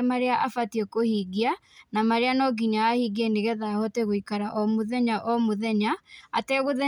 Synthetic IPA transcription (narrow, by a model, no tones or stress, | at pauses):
maɾeaʔafatiɛkohiɡianamaɾeanɔɡiɲaahiɡeniɣɛðahɔteɣoikaɾaʔɔmoðɛɲaʔɔmoðɛɲaatɛɣoðɛ